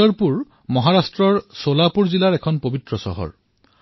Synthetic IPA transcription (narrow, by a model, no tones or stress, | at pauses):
ɔɹpuɹ | mɔɦaɹastɹɔɹsolapuɹzilaɹɛkʰɔnpobitɹɔsɔ̰ɦɔ̰ɹ